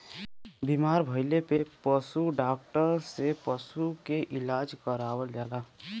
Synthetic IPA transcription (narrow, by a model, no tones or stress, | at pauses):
bimaːɾbʱəɪlepepəsuɖak̚ʈəɾsepəsukeʔɪlaːd͡ʒkəɾawəld͡ʒaːla